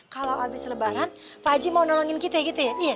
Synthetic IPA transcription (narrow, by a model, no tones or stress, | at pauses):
kalawabɪsləbaɾan | pad͡ʒimaunɔlɔŋɪnkit̪ajaɡit̪ujaija